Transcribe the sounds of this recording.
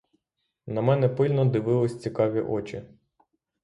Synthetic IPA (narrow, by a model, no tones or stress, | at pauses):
nɐmɛnɛpɪlʲnɔd̪ɪʋɪlˠɪsʲt͡sʲikɑʋʲiʔɔt͡ʃi